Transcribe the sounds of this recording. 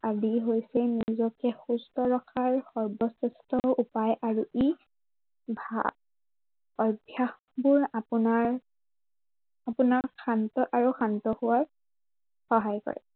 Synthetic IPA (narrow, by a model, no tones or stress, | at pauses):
adiɦojsɛnizɔkɛxustɔɹɔkʰaɹxɔɹbɔsestɔupajʔaɹuʔi | bʱa̰ | ɔbʱjax | bʊɹapunaɹ | apunakxʰantɔʔaɹuxantɔhuwaɹ | xɔɦajkɔ̰ɹɛ̰